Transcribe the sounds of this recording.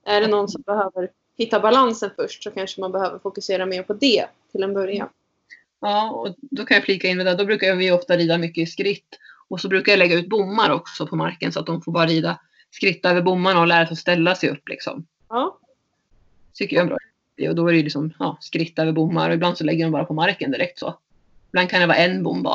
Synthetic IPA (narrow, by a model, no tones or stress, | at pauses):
ʔæɖɛnɔnsɔmbɛhøːvəɾ | hɪt̪ːabalansənfœʂʈsɔkʰanʂəmanbɛhøːvəɾfʊkɵseːɾameːɾpʰɔd̪ɛt̪ʰɪlɛnbœɾja̰n | ɑːɔd̪ɔkʰanjafliːkaɪnvɛd̪ad̪ɔbɾʉ̟kaɾjvɪjɔft̪aɾiːd̪amʏkːəɪskɾɪt̪ːɔsɔbɾʉ̟ːkaɾjalɛɡːaʉ̟ːt̪̚bʊmːaɾɔksɔpʰɔmaɾkənsɔat̪̚d̪ɔmfoːɾbɑːɾaɾiːd̪a | skɾɪt̪ːaøːvəɾbʊmːaɳaɔlæːɾasɔst̪ɛlːasɛjɵ̰pːlɪ̰ksɔ̰m | ɑː | t̪ʰʏkːəjaɛbɾɑ̰ː | t̪ːɪ̰ɔd̪ɔæɾɛjʉlɪksɔmjɑːskɾɪt̪ːøːvəɾbʊmːa̰ɾɔɪbland̪sɔlɛɡːəɖɔmbɑːɾapʰɔmaɾkənd̪ɪɾʔɛk̚t̪so̰ː | ɪb̥land̪̚kʰand̪ɛvɑ̰ːɾaɛnːbʊmːba̰